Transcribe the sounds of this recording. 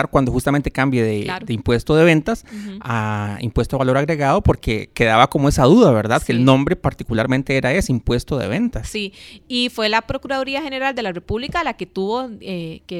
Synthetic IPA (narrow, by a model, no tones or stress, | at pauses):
aɾkwand̪o̞xust̪ame̞nt̪e̞kambjeðed̪eimpwest̪o̞ðe̞βe̞nt̪asaḭmpwe̞st̪oβalo̞ɾaɣɾe̞ɣaðo̞po̞ɾke̞̰ke̞ðaβako̞moe̞saðuðaβe̞ɾðaðkelnõ̞mbɾe̞paɾt̪ikulaɾmẽ̞nt̪eeɾae̞simpwe̞st̪o̞ðe̞̰βe̞nt̪assiifwe̞lapɾokuɾaðo̞ɾiaxe̞ne̞ɾald̪e̞lare̞puβlikalaket̪uβo̞eke